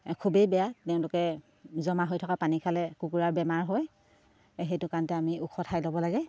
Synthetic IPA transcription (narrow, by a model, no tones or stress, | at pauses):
kʰubejbɛjatɛʊ̃lʊkɛ | zɔmaɦojtʰɔkapanikʰalɛkukuɹaɹbɛmaɹɦɔj | ɦejtʊkantɛamiukʰɔtʰajlobɔlaɡɛ